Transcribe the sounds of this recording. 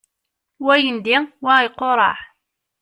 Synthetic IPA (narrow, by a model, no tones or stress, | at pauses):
wæjənd̪iwaiqːoɾˤɑ̰ʕ